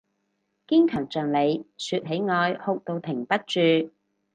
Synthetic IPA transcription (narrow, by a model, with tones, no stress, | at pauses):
kiː˥nkʰœː˨˩ŋt͡sœː˨ŋle˨˧jsyː˧t̚ɦe˨˥jŋɔː˧jho˧k̚t̪o˨˧wt̪ʰɪ˨˩ŋpɐ˥t̚t͡ʃyː˨˧